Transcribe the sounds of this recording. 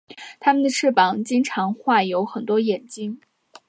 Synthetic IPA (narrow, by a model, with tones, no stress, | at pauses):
t̪ʰa˥mə˨nd̪ə˩ʈ͡ʂʰɻ̩˥˩pɑ˨˩ŋt͡ɕi˥ŋʈ͡ʂʰɑ˧˥ŋxwa˥˩jo˧˥ʊxə˨˩nt̪wɔ˥jɛ˨˩nt͡ɕi˥ŋ